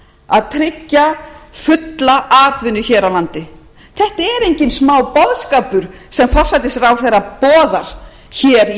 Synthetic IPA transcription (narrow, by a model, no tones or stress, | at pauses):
aðt̪ʰɾɪcːafʏt̪laʔaːt̪vɪnʏçɛːɾawlant̪ɪ | θɛht̪aɛɾejɲcɪnsmaːwpɔðskaːpʏɾ̥ | sɛmfɔr̥sajt̪ɪsɾawθejɾapɔːðaɾ̥ | çɛːɾ